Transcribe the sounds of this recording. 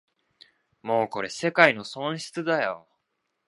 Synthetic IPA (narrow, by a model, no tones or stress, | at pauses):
mo̞ːko̞ɾe̞se̞kaino̞sõ̞ɰ̃ɕi̥t͡sɨd̪ajo̰